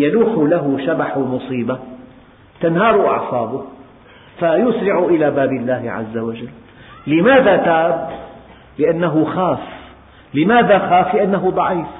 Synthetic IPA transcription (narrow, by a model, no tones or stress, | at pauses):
januːħʊlaɦʊʃabaħmʊsˤiːba | t̪anhɑːɾˤʊʔɑ̰ʕsˤɑːbʊh | fajʊsɾɪʕʊʔɪlaːbaːbɪlːaːhɪʕa̰zːawad͡ʒalː | ɪmaːðat̪aːb | lɪʔanːaɦʊxaːf | lɪmaːðaxaːflɪʔanːaɦʊd̪ˤɑʕiːf